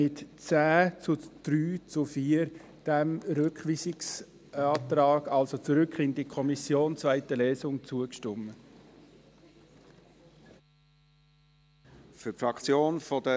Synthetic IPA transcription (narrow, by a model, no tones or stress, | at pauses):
mɪtt͡sæːt͡sʊd̪̥ɾyːt͡sʊfiːəɾ | d̥ɛmɾʏkχʋiːsɪks | ɑːtɾɑːɡ̥ɑlsot͡suɾʏkʰɪndikʰɔmisjoːnt͡svaɪtəlɛːsʊŋt͡suəkʃtʏmə | fypfɾɑkt͡sjoːnfɔdə